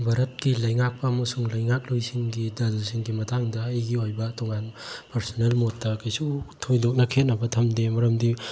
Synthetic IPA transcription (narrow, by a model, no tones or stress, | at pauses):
bʱaɾɐt̚kilɐjŋak̚pɐːmɐsuŋlɐjŋak̚lojsiŋɡidɐlsiŋɡimɐtʰaŋdɐːjɡiojbɐtoŋanpɐɾsonelmot̚dɐkajsutʰojdok̚nɐkʰet̚nɐbɐtʰɐmdemɐɾɐmdi